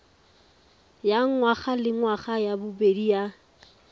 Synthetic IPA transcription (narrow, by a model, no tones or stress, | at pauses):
jaŋŋwaχalɪŋwaχajabʊbedija